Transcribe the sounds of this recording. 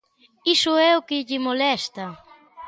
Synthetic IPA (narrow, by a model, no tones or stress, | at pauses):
isʊɛʊkɪʎɪmolɛst̪ɐ